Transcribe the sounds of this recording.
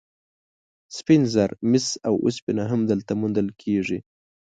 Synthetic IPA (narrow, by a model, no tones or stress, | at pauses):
spɪnzaɾmɪsawṵspɪnaɦamd̪əlt̪amund̪əlkʰeʐi